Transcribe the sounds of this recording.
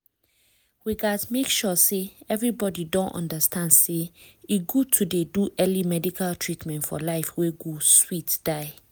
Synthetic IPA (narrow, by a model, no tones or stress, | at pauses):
ɹiɡasmekʃɔseɛvɹibɔdidɔ̃ntɔ̰̃ndəstʰãndseiɡutʰudeduʔɛlimɛdikʰaltʰɹitmɛ̃ntfɔ̰laɪfweɡoswitd̥aɪ